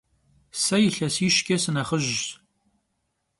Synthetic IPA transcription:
sɐjɪɬɐsiːʃɡʲʼɐsɨnɐχəʒ

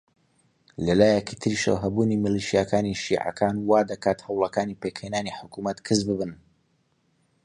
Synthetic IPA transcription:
lɐlaːjɛkit̪ʰɨɾiʃə̰wɦɐbuːnimɨliʃijakaːniʃḭːʕɐ̰kʰaːnwaːd̪ɐkaːt̪hɐwlˠɐkaːnipekhenaːniħʊkumɐt̪kʰɨzbɨbɨn

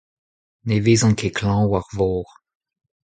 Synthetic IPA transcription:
nevezɑ̃kʰekʰlɑ̃ːwaʁvɔːʁ

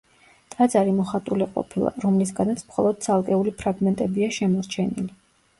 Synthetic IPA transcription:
t̪ʼad̪zaɾimɔχat̪ʼuliqʼɔ̰pʰilˠa̰ɾɔmlis̬ɡanat̪sʰmχɔ̰lˠɔd̪̥̚t̪sʰalˠkʼɛulipʰɾaɡmɛnt̪ʼɛbiaʃɛmɔɾt͡ʃʰɛnḭli

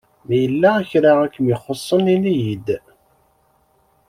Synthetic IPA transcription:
mæjəlːææçɾaʁækːəmjiχosˤːəninijid̪

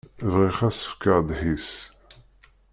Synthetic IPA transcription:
vʁiχæsə̥fkəʁd̪ħis

